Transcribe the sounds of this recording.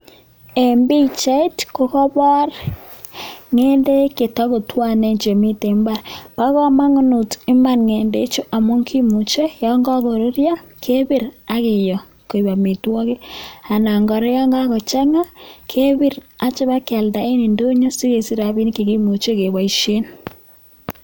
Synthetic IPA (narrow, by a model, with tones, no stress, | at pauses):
e˨mbi˦˨t͡ʃa˦i˦tko˨kɔ˦βɔ˦r | ŋe˦nde˦ke˨tɔ˦ko˨twa˦˨nɛ˦ɲt͡ʃe˨mi˦te˨mba˦ɾpa˦ɣɔ˦ma˦ŋʊ˦nu˨tɪ˦ma˦˨nŋe˨nde˨˦t͡ʃo˦ʔa˨mo˦ŋkʰi˦mu˨t͡ʃe˦jɔ˦ŋɡɔ˦ɣo˨ɾo˦ɾja˦kʰe˦βɪ˦ɾa˦kɪ˨jɔ˨ | ko˨i˨βa˨mi˨twɔ˦ke˦a˨na˨ŋɡɔ˨ɾe˦jɔ˦ŋɡa˦kɔ˨t͡ʃa˦ŋa˦kʰe˦βi˦ɾa˦t͡ʃɪ˦βa˦ka˨lda˨e˦ni˨ndo˦ɲo˦si˦ke˨si˦ɾa˨βi˦nke˨ki˦mu˨t͡ʃe˦ke˨βwa˨i˨ʃe˦n